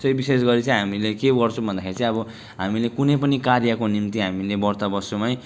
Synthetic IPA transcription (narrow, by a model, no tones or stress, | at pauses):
sʌjbisesɡʌɾit͡sʌ̃ĩɦamilekebʌrt͡sʰũbʱʌnd̪akʰeɾit͡sʌ̃ĩʌbʌ | ɦamilekunʌjpʌnikarjʌkonimt̪iɦamilebʌrt̪abʌsomaj